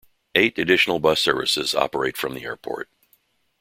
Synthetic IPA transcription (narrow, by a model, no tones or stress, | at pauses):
eɪɾɨdɪʃn̩l̩ˠbʌsɜ˞vɨ̰sɪzɑ̰pə˞eɪtfɹʌ̃mðiɛɹpʰɔ̰ɹt̚